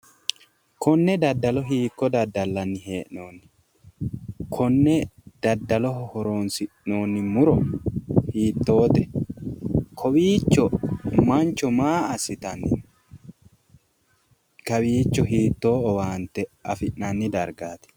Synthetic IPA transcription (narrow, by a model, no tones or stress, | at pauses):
kɔnːɛd̪ɐd̪ːɐlɔɦiːkːɔd̪ɐd̪ːɐlːɐnːɪhe̞ːʔnoːnːɪ | kʰɔnːɛd̪̥ɐd̪ːɐlɔɦɔhɔɾoːnsɪʔno̞ːnːɪmʊɾɔhiːt̪ːo̞ːt̪ɛ | kʰɔwiːt͡ʃːɔmɐnt͡ʃːɔmaːɐsɪt̪ɐnɪ | kɐwiːt͡ʃːɔɦiːt̪ːo̞ːɔwaːnt̪ɛɐfɪʔnɐnːɪd̪ɐɾɡaːt̪ɪ̥